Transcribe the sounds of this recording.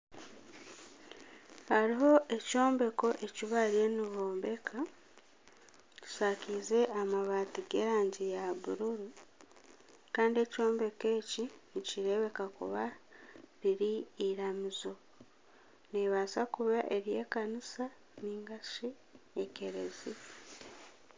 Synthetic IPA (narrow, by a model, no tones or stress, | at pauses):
haɾiɦo̞ʔe̞co̞ːmbe̞ko̞ʔe̞ciβaɾjeniβoːmbe̞kʰa | ci̥sakize̞ʔamaβaːtiɡeɾaːɲɟijaβuɾuɾu | kaːndie̞co̞ːmbe̞ke̞ːciniciɾe̞βe̞kakṵβa | ɾiɾiiɾamizo̞ | neβasakuβaʔeɾje̞ːkanisa | niːŋɡaʃi | eke̞ɾḛzi